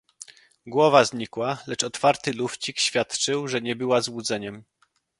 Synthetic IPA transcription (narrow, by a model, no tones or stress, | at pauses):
ɡwɔvazɲikwalɛt͡ʂɔt̪faɾt̪ɘluft͡ɕikɕfʲjat̪t͡ʂɘwʐɛɲɛbɘwazwud̪zɛɲɛm